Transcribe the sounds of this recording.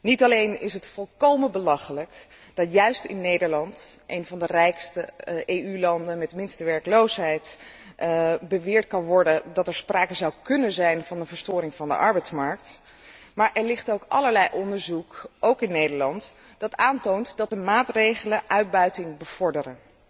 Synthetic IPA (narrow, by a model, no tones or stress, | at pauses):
nitɑlejnɪ̰sɦətfɔlˠkowmənbəlɑχələk | d̥ɑtjœɥstɪ̰nːejdəɹlɑntʔejnvɑndərɛjkstəejylɑndənmɛtmɪnstəʋɛɹklowsɦɛjt | bəʋɪːɹtkɑnʋɔɹdədɑtɛɹsprʔaːkəzɑwkɵnənzɛjnv̥ɑnənvəɹstʊːɾɪŋvɑndə̰ʔɑ̰ɹbɛjtsmɑɹk̚t | maːɹʔɛɹlɪχtowkʔɑ̰ləɹlɛjʔɔndəɹzukowkɪnːejdəɹlɑnt | d̥ɑtaːntowntdɑt̚dəmaːtrejχələʔœɥd̚bœɥtɪŋbəv̥ɔɹdərən